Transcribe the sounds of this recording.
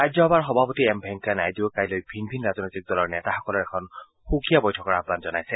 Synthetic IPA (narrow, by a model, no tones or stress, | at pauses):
ajzɔɔbaɹxɔbʱapɔtiɛmbʱɛŋkːanajdiokajlojbʱinbʱinɹaznojtik̚dɔlɔɹnɛtaxɔkɔlɔɹɛkʰɔn | xukijabɔjtʰɔkɔɹabʱɡanzɔnajsɛ